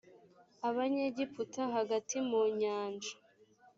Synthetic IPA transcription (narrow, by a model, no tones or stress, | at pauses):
aβaɲeɟiputaɦaɡatʰimuɲaːnd͡ʒḁ